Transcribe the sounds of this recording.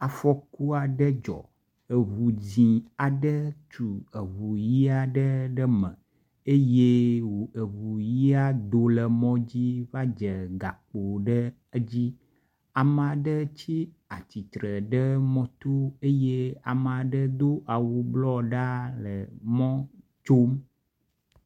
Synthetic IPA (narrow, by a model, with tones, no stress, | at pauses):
a˨fɔ˦ku˦a˨ɖə˦d͡ʒɔ̰˨ | ə˨ɦu˨zĩ˨a˨ɖə˦t͡ʃu˨ə˨βu˨ji˦a˨ɖə˦ɖə˦mə̃˨ | e˦je˦wə˨βu˨ji˦a˦d̪o˨lə˨mɔ̃˦d͡ʑi˦va˦d͡ʒə˨ɡa˨k͡po˨ɖə˦ | d͡ʑi˦ | a˨m˨a˨ɖə˦t͡ɕi˦ | a˨t͡ɕi˨t̪ɾə˨ɖə˦mɔ̃˦t̪o˦e˦je˦a̰˨m˨a˨ɖə˦d̪o˦ʔa˨wo˨blɔ˦ɖa˦lə˨mɔ̃˦t͡ʃo˦m